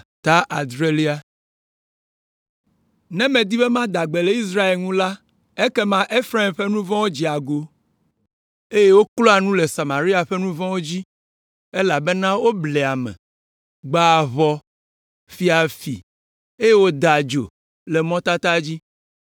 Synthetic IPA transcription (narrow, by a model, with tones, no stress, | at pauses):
t̪a˦ʔa˨d̪ɾe˦li˦a˨ | nɛ̃˦mɛ̃˨d̪i˦bɛ˦mã˦d̪a˨ɡ͡be˨le˨i˦s̬ɾa˦e˨lŋũ˦la˦ | e˦kɛ˦mã˦ʔe˦fɾa˦e˨mɸe˦nũ˦vɔ̃˦wo˦d͡ʑi˦a˨ɡo˨ | e˦je˦wo˦klɔ˦a˨nũ˦le˨sa˨mã˨ɾi˦a˨ɸe˦nũ˦vɔ̃˦wo˦d͡ʑi˦ | e˦la˨be˦nã˦wo˦blɛ˨a˨mɛ̰̃˨ | ɡ͡ba˨βɔ˦ | fi˦a˨fḭ˨ | e˦je˦wo˦d̪a˨d͡ʒo̰˨ | le˨mɔ̃˦t̪a˦t̪a˦d͡ʑi˦